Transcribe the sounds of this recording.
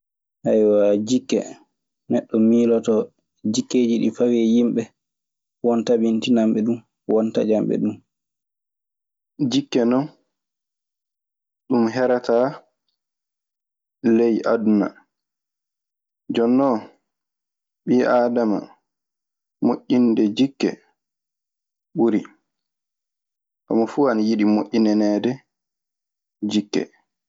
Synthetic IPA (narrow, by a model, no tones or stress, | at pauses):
ʔajwad͡ʒikːɛ̰ | nɛɗːɔmiːlɔtɔ | d͡ʒikːeːd͡ʒiɗḭfawɛjimɓɛ | wɔntabintinamɓɛɗun | wɔntad͡ʒamɓɛ̰ɗum | d͡ʒikːɛnɔn | ɗumɦɛɾataː | lejʔaduna̰ | d͡ʒɔnːɔ | ɓiːʔaːdama̰ | moʔːindɛd͡ʒikːɛ̰ | ɓuɾi | ʔa̰mafuːanajiɗimoʔʲːinɛnɛːdɛ | d͡ʒikːɛ̰